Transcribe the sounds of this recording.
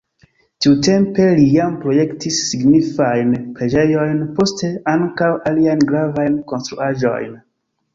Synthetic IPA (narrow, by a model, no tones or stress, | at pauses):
tiute̞mpe̞lijampɾo̞je̞ktisːiɡnifajnpɾe̞d͡ʒe̞jo̞jnpo̞ste̞aŋkawʔaliajnɡɾavajnko̞nstɾuaʒo̞̰jn